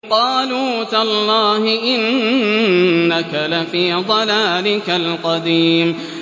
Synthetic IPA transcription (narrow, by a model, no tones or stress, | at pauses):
qɑːluːt̪alˤːɑːhɪʔɪn | akalafiːd̪ˤɑlaːlɪkalqɑd̪iːm